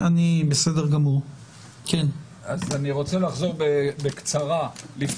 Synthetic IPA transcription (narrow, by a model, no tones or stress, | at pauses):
ʔanibesedeʁɡamuʁ | ken | azaniʁot͡selaχzo̞ʁbebekt͡saʁalif